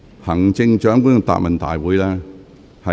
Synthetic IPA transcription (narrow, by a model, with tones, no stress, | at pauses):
hɐ˨˩ŋt͡sɪ˧ŋt͡ʃœː˨˥ŋkʷʊ˥n˧t̪a̰ː˨p̚mɐ˨nt̪a̰ː˨jwuː˨˥jlɛː˦˥ | hɐ˨